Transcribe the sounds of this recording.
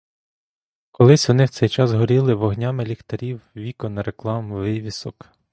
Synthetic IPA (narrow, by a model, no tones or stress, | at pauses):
kɔlˠɪsʲɔnɪwt̪sɛjt͡ʃɑzɦɔɾʲilˠɪʋɔɦnʲɑmɪlʲixt̪ɐɾʲiwʋʲikɔnɐɾeklˠɑmʋɪʋʲisɔk